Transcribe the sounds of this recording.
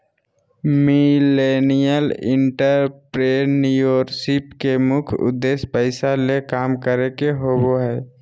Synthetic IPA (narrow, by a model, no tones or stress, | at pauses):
mileːnijəlɪ̰̃ɳʈəɾpɾenujoːɾksɪpkemʊkʰʊ̰d̪ːeːspəɪsalekaːmkəɾekeɦoboɦɛː